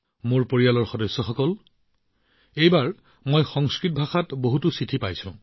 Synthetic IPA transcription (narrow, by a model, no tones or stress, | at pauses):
moɹpoɹijalɔɹxɔdɔsːɔxɔkɔl | ejbaɹ | mojxɔŋskɹit̚bʱaxatboɦutusɹitʰipajsʊ̃